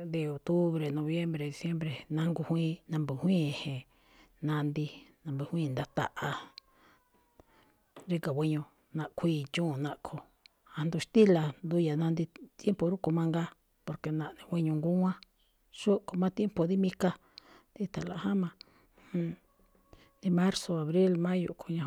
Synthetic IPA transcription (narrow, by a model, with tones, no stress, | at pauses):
d̪i˧o˨t̪u˦βɾe˨nõ˧βje˦mbɾe˨ði˨sje˦mbɾe˨nã˧ŋɡu˧hwĩ˦nã˧mbu˨hwĩ˦˨hẽ˨ | nã˧nd̪i˧nã˧mbɨ˧˨hʷĩː˦˧˨nd̪a˧t̪a˨ʔa˧ | ɾi˧ka˨wʷi˧ɲõ˧ | nã˧ʔkʷʰiː˦˧˨t͡ʃũ˦˨nã˧ʔkʰo˧˨ | a˧nd̪u˧ʃt̪i˦la˨nd̪u˧ja˨nã˧nd̪i˧t̪je˦mpo˧ɾu˦ku˧mã˧ŋɡa˧ | po˧ɾke˨nã˧ʔnẽ˧wʷe˧ɲũ˧ŋɡu˦ŋã˦ | ʃu˦ko˧mã˦t̪je˦mpo˧˨ði˦mĩ˦ka˧ | d̪i˦t̪a˨la˨hã˦mã˧ | hũ˧ | d̪i˧mã˦ɾso˧a˨βɾi˦lmã˦jṵ˧ʔkʰu˧ɲã˧